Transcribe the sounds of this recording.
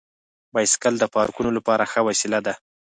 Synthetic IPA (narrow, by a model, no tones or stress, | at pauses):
bɑjskald̪əpɑɾkunolapɑɾaxəwɑsilad̪a